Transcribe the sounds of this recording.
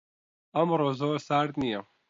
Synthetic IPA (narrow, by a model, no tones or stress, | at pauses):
ɐmɾoːzoːɾsaːɾt̪nijɐ